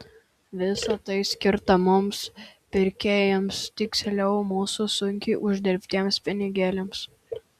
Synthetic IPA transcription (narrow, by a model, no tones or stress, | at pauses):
ʋʲɪsɐt̪ɐɪsʲkʲɪɾt̪ɐmʊmspʲɪɾʲkʲeːjɛmst̪ʲɪksʲɛlʲɛʊmuːsusʊŋʲkʲɪʔʊʒʲd̪ʲɛɾʲpʲt̪ʲiɛmspʲɪnʲɪɡʲeːlʲɛms